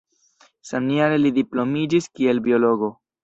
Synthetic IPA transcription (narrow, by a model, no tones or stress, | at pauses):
samniaɾelidiplo̞mid͡ʒiskie̞lbio̞lo̞ɡo̞